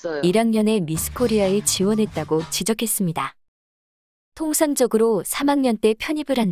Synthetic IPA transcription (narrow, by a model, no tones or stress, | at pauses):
iɾaŋɲʌne̞misʰɯ̥kʰoɾiae̞t͡ɕiwʌnɦe̞t̚t͈aɡot͡ɕid͡ʑʌkʰe̞s͈ɯmɲida | tʰoŋsʰaŋd͡ʑʌɡɯɾosʰamaŋɲʌnt͈e̞pʰjʌɲibɯɾɦan